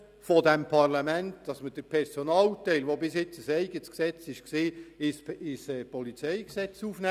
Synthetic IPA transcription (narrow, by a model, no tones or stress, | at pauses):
fɔdɛmpʰɑrlɑmæntd̥ɑsməd̥əɾpʰɛɾsonɑːltɛɪlʋobɪsjɪt͡səsɛɪɡətsksɛt͡sɪʃksɪːɪsɪsɛpɔlit͡sɛjksɛt͡suːfnɛ